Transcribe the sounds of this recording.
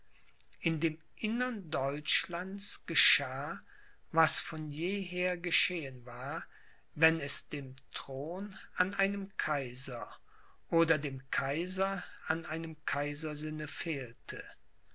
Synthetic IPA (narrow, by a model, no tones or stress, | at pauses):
ʔɪndeːm | ʔɪnɐndɔʏt͡ʃlant͡sɡ̥əʃaː | vasfɔnjeːɦeːɐɡəʃeːənvaːɐ | vɛnɛsd̥eːmtʁ̥oːnanaɪnəmkʰaɪzɐ | ʔoːdɐdeːmkʰaɪzɐanʔaɪnəmkʰaɪzɐzɪnəfeːltʰə